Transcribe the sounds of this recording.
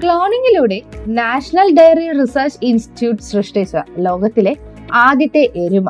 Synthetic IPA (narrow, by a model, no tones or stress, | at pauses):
kɭoːneŋiluːɽenaːʂɐnɐlɖɐjɐɾeʈrisɐːɾt͡ɕinsʈi̥ʈjuːʈsrɨʂʈet͡ɕːɐlo̞ːɡɐt̪ːile̞ | aːd̪jɐt̪ːeʔːɾuma